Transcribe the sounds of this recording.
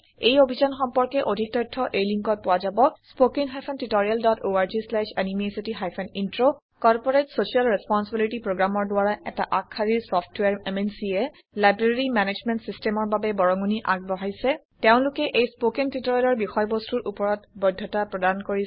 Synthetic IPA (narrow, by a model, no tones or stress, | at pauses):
ejobʱizanxɔmpɔɹkɛʔodʱik̚tɔjtʰːɔʔejliŋkɔt̚pʊwazabɔspokiŋɦajpʰɔntitɔɹijaldɔtoaɹzislɛʃanimesitiɦajpʰɛnintɹo | kɔɹpɔɹetsosialɹɛspɔnsibilitipɹoɡɹamɔɹdʊwaɹaɛtaʔakʰːaɹisɔfʰtwaɹɛmensiɛ | lajbɹeɹimɛned͡ʒmɛntsistɛmɔɹbabɛbɔɹɔŋuniʔaɡ̚bɔɦajsɛ | teʊ̃lʊkɛʔejspokiŋtitoɹialɔɹbixɔjbostuɹʔupɔɹɔtbɔdʱːɔtapɹɔdankoɹi